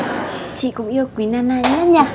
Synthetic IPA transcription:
t͡ɕḭ˧˨kʊ̰˧˥ŋ͡mʔi˧ə˧wkwi˨˦naː˧naː˧ɲa˦˥ɲa˨˩

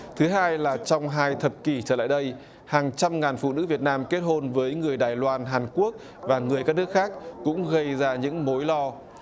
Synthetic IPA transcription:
t̪ʰɨ˨˦ɦaː˧jlaː˨˩t͡ɕɔ˧wŋ͡mɦaː˧jt̪ʰə˨˩p̚ki˧˩t͡ɕəː˧˩la̰ː˧˨jɗə˧j | haː˨˩ŋt͡ɕa˧mŋaː˨˩nfṵ˧˨nɨ̰˧˥vi˨˩ət̚naː˧mke˦˥t̚ho˧nvəː˨˦jŋɨ˨˩əjɗaː˨˩jlwaː˧nɦaː˨˩nku˦˥ək̚ | vaː˨˩ŋɨ˨˩əjkaː˦˥k̚nɨ˦˥ək̚xaː˦˥k̚ːʊ̰˧˥ŋ͡mɣə˧jzaː˧ɲɨ̰˧˥ŋmo˨˦jlɔ˧

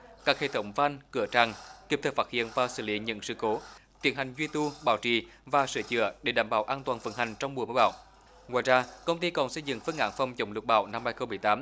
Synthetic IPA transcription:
kaː˦˥k̚hḛ˧˨˩t̪ʰə˨˦wŋ͡mva˧nkɨ˧˩ət͡ɕaː˨˩ŋki˧˥p̚t̪ʰəː˨˧˩fa˦˥hḭ˧˨ənvaː˨˩sɨ̰˧˩lḭ˧˦ɲə̰˧˥ŋsɨ̰˧˨˩ko˨˦t̪ḭ˨˧˩ənha˨˩ŋ̟zwi˧t̪u˧ɓa̰ː˧˩wt͡ɕḭ˧˩ | vaː˨˩sɨ̰˧˩t͡ɕɨ̰˧˨əɗe˧˩ɗaː˧˩mɓa̰ː˧˩wʔaː˧nt̪waː˨˩nvə̰˧˥nha˨˩jŋ̟t͡ɕɔ˧wŋ͡mm˨˩əmə˧˥jɓa̰ː˧˨w | ŋwaː˧˨jzaː˧kə˧wŋ͡mt̪i˧kɔ˨˩nsə˧jzɨ̰˧˨ŋfə˧˥ŋʔa̰ː˧˥nfɔ˨˧˩wŋ͡mt͡ɕə˨˧˩wŋ͡mlɨ˨˩k̚ɓa̰ː˧˩wna˧mhaː˧jxə˧wŋ͡mmɨ˨˩əjt̪aː˨˦m

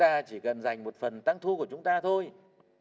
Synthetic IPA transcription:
t̪aː˧t͡ɕi˧˩kə˨˩nza˨˩jŋ̟mo˨˩t̚fə˨˩nt̪a˧ŋt̪ʰu˧ku˧˩ət͡ɕʊ˨˦ŋ͡mt̪aː˧t̪ʰo˧j

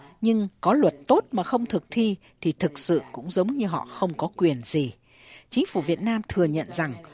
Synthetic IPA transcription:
ɲɨ˧ŋkɔ˨˦lwə˨˩t̚t̪o˦˥t̚maː˨˩xə˧wŋ͡mt̪ʰɨ˨˩k̚t̪ʰi˧ | t̪ʰi˨˩t̪ʰɨ˨˩k̚sɨ̰˧˨kʊ̰˧˥ŋ͡mzə˨˦wŋ͡mɲɨ˧ɦɔ̰˧˨xə˧wŋ͡mkɔ˨˦kwi˨˩ənzi˨˩ | t͡ɕï˨˦ŋ̟fu˧˩vi˨˩ət̚naː˧mt̪ʰɨ˨˩əɲə̰˧˨nza˨˩ŋ

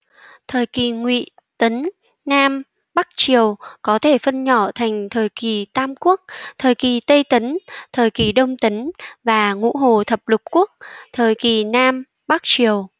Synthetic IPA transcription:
t̪ʰəː˨˩jki˨˩ŋwḭ˧˨ | t̪ə˨˦n | naː˧m | ɓa˦˥k̚t͡ɕi˨˩əwkɔ˨˦t̪ʰe˧˩fə˧nɲɔ˧˩t̪ʰa˨˩jŋ̟t̪ʰəː˨˩jki˨˩t̪aː˧mku˦˥ək̚t̪ʰəː˨˩jki˨˩t̪ə˧jt̪ə˨˦nt̪ʰəː˨˩jki˨˩ɗə˧wŋ͡mt̪ə˨˦ŋvaː˨˩ŋṵ˧˥ɦo˨˩t̪ʰə˨˩p̚lʊ˨˩k͡p̚ku˦˥ək̚t̪ʰəː˨˩jki˨˩naː˧m | ɓa˦˥k̚t͡ɕi˨˩əw

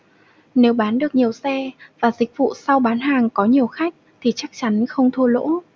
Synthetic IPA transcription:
ne˨˦wɓaː˨˦nɗɨ˨˩ək̚ɲi˨˩əwsɛ˧vaː˨˩zï˨˩k̟̚vṵ˧˨sa˧wɓaː˨˦nɦaː˨˩ŋkɔ˨˦ɲi˨˩əwxa˦˥jk̟̚t̪ʰi˨˩t͡ɕa˦˥k̚t͡ɕa˨˦nxə˧wŋ͡mt̪ʰu˧əlo̰˧˥

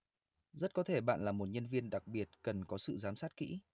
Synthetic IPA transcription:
zə˦˥t̚kɔ˨˦t̪ʰe˧˩ɓa̰ː˧˨nlaː˨˩mo˨˩t̚ɲə˧nvi˧ənɗa˨˩k̚ɓi˨˩ət̚kə˨˩nkɔ˨˦sɨ̰˧˨zaː˨˦msaː˦˥t̚kḭ˧˥

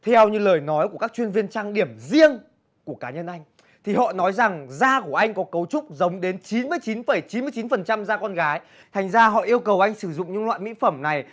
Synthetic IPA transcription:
t̪ʰɛ˧wɲɨ˧ləː˨˩jnɔ˨˦jku˧˩əkaː˦˥k̚t͡ɕwənvi˧ənt͡ɕaː˧ŋɗi˧˩əmzi˧əŋ | ku˧˩əkaː˨˦ɲə˧nʔa˧jŋ̟ | t̪ʰi˨˩hɔ̰˧˨nɔ˨˦jza˨˩ŋzaː˧ku˧˩əʔa˧jŋ̟kɔ˨˦kə˨˦wt͡ɕʊ˦˥k͡p̚zə˨˦wŋ͡mɗe˨˦nt͡ɕi˨˦nmɨ˧əjt͡ɕi˨˦nfə˧˩jt͡ɕi˨˦nmɨ˧t͡ɕi˨˦nfə˨˩nt͡ɕa˧mzaː˧kɔ˧nɣaː˨˦j | t̪ʰa˨˩jŋ̟zaː˧ɦɔ̰˧˨ʔi˧əwkə˨˩wʔa˧jŋ̟sɨ˧˩zʊ̰˧˨ŋ͡mɲɨ̰˧˥ŋlwa̰ː˧˨jmḭ˧˥fə˧˩mna˨˩j

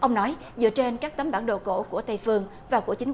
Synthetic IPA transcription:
ʔə˧wŋ͡mnɔ˨˦j | zɨ̰˧˨ət͡ɕe˧nkaː˦˥k̚t̪ə˨˦mɓaː˧˩nɗo̰˧˨˩ko̰˧˥ku˧˩ət̪ʰə˧jfɨ˧əŋ | vaː˨˩ku˧˩ət͡ɕï˨˦ŋ̟

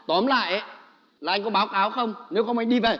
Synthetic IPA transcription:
t̪wɔ˨˦mla̰ː˧˨jʔə˨˦ | laː˨a˧jŋ̟kɔ˨˦ɓaː˨˦wkaː˨˦wxə˧wŋ͡mne˨˦wxə˧wʔa˧ŋ̟ɗi˧ve˨˩

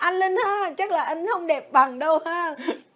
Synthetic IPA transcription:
ʔa˧jŋle˧nhaː˨˧˩t͡ɕa˦˥k̚laː˨˩ʔa˧jŋ̟hə˧wŋ͡mɗe˨˩p̚ɓa˨˩ŋɗə˧whaː˨˧˥

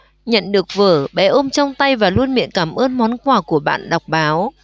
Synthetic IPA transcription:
ɲə̰˧˨nɗɨ˨˩ək̚vəː˧˩ɓɛ˨˦ʔo˧mt͡ɕɔ˧wŋ͡mt̪a˧jvaː˨˩lu˧ənmḭ˧˨ənkaː˧˩mʔəː˧nmɔ˨˦nkwaː˨˩ku˧˩əɓa̰ː˧˨nɗa˨˩wk͡p̚ɓaː˨˦w

